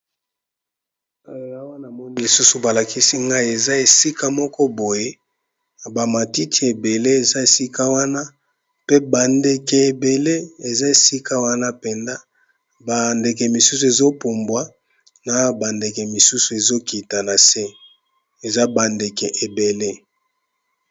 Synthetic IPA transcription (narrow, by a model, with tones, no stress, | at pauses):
a˦jo˨ja˦wa˦na˨mɔ˦ni˦li˨su˦su˨ba˨la˨ki˦si˦ŋɡa˦i˨˦e˨za˦e˨si˦ka˦mɔ˦kɔ˦bo˨je˦˨ | ba˨ma˨ti˦tʰi˨e˨be˨le˦e˨za˦e˨si˦ka˦wa˦na˦ | pe˦ba˨nde˨kɛ˨e˨be˨le˦e˨za˦e˨si˦ka˦wa˦na˦pe˨nda˦ | ba˨nde˨kɛ˨mi˨su˦su˨e˨zo˦po˨mbwa˦ | na˨ba˨nde˨kɛ˨mi˨su˦su˨e˨zo˦ki˨ta˨na˨se˦ | e˨za˦ba˨nde˨kɛ˨ʔe˨be˨le˦